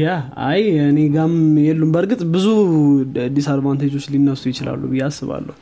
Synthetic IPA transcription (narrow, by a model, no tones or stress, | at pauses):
jaa̰jɨneɡamjɛlːumbəɾɡɨt̪ʼbɨzuad̪ːisaɾbant̪ʰet͡ʃoslinːəst̪ʼujɪt͡ʃɪla̰lːubɨjːasːɨβa̰lːə̰h